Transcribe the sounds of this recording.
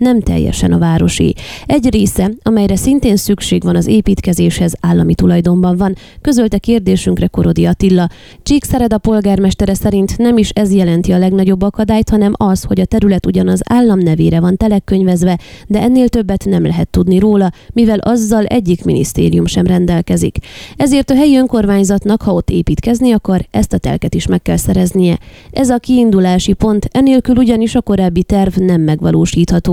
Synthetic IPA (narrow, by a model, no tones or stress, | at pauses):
nɛmt̪ɛ̰jːɛ̰ʃɛ̰nɒ̰vaːɾo̞ʃḭɛɟreːsɛɒmɛjɾɛsint̪eːnsykʃeːɡʋɒnɒzeːpiːt̪kɛzeːʃhɛzaːlːɒmit̪ulɒjd̪o̞mbɒɱvɒn | kø̞zølt̪ɛkeːrd̪eːʃyŋkrɛko̞ɾo̞d̪iɒt̪ilːɒ | t͡ʃiːksɛɾɛd̪ɒpo̞lɡaːrmɛʃt̪ɛɾɛsɛɾint̪nɛmiʃɛzjɛlɛnt̪iɒlɛɡnɒɟo̞bːɒkɒd̪aːjt̪hɒnɛmɒsho̞ɟɒt̪ɛɾylɛt̪uɟɒnɒza̰ːlːɒmnɛveːɾɛvɒnt̪ɛlɛkːøɲvɛzʋɛd̪ɛɛnːeːlt̪ø̞bːɛt̪nɛmlʔɛɦɛt̪ːud̪niɾoːlɒmivɛlʔɒzːɒlɛ̰ɟːikminḭst̪ḛːɾijumʃɛmrɛnd̪ɛlkɛzḭkɛzeːrt̪ɒɦɛjiø̞ŋko̞rmaːɲzɒt̪nɒkhɒo̞t̪ːeːpiːt̪kɛzniɒkɒɾɛst̪ɒt̪ɛ̰lkɛt̪iʃmɛkːɛlsɛɾɛznijɛʔɛzɒkiːnd̪ulaːʃipo̞nt̪ɛneːlkyluɟɒniʃɒko̞ɾaːbːit̪ɛrvnɛmːɛɡʋɒloːʃiːt̪hɒt̪oː